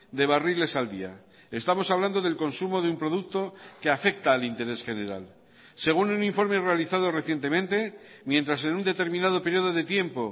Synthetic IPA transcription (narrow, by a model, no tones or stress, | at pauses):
d̪e̞β̞arile̞sald̪ia̰ | e̞st̪amo̞saβland̪o̞ðe̞lko̞nsumo̞ðeumpɾo̞ðuk̚t̪o̞keafe̞k̚t̪aːlint̪e̞ɾe̞sχe̞ne̞ɾa̰l | se̞ɣununiɱfo̞ɾme̞re̞aliθað̞o̞reθje̞nt̪e̞mẽ̞nt̪e̞ | mje̞nt̪ɾas̬e̞nund̪e̞t̪e̞ɾmĩnað̞o̞pe̞ɾjo̞ðo̞ðe̞t̪je̞mpo̞